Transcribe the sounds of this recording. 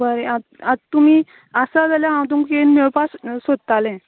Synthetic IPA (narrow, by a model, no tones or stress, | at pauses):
bəɾea | at̪umiː | əsad͡zaljaãwt̪̬uŋkenmewpassod̪̚t̪alɛ̃